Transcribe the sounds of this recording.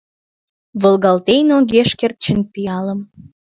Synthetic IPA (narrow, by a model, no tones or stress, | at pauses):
βolɣɑlt̪ejnoɣeʃkert̪̚t͡ɕə̆npiɑləm